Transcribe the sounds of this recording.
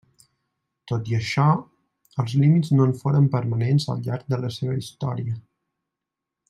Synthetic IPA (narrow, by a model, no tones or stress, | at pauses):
t̪ot̪iəʃɔ | əlˠzlimiznoɱfoɾəmpəɾmənenzə̰lˠʎaɾk̚d̪ələseβəist̪ɔ̰ɾiə